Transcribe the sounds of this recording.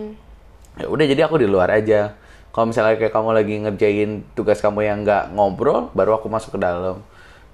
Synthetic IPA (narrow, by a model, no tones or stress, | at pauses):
ja̰udahd͡ʒadiakudiluaɾʔad͡ʒa | kalomisalkaakajakamulaɡiŋərd͡ʒaɪnt̪uɡaskamujaŋɡaʔŋɔmbɾɔbaɾuakumasʊ̥kːədaləm